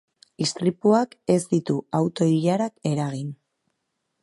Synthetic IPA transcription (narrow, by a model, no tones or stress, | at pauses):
ist̪ɾipuake̞zd̪it̪uawt̪o̞iʎaɾake̞ɾaɣ̞in